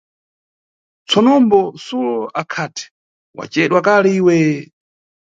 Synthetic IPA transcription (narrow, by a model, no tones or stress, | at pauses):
t͡sʰɔnɔmbɔsulɔʔakʰatʰɛ̥ | wa̰t͡ʃɛɗwakalɛiːwɛ